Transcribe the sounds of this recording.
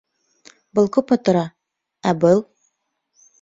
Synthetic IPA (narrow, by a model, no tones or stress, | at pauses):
bɤlˠkʉpŏt̪ŏɾɑ | æbɤlˠ